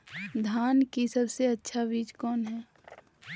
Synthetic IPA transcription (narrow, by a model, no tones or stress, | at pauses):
d̪ʱaːnkisɐbseɐtːʃʰabiːd͡ʒkɔːnɦɛː